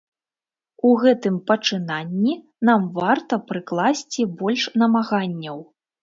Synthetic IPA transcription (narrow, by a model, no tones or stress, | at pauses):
uɣɛt̪ɨmpɐt͡ʂɨnanʲːi | namvart̪ɐpɾɨklˠasʲt͡sʲibɔlʲʂnɐmaɣanʲːɐw